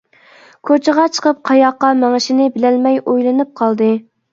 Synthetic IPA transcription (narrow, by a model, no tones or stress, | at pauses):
kʰot͡ʃʰɪʁɑt͡ʃʰə̥qʰəp̚qʰɑjɑqːɑmɛŋɪʃɪnɪbɪlɛlmɛjojlˠɨnɨp̚qʰɑlˠd̪ɨ